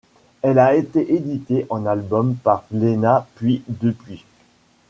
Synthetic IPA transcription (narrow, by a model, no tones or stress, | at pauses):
ɛlaet̪eʔed̪it̪eʔɑ̃nalbɔmpaʁlenapɥid̪əpɥi